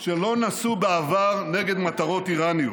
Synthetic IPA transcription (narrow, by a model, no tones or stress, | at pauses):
ʃe̞lo̞nasubeavaʁneɡe̞d̪mat̪aʁo̞t̪iʁaniut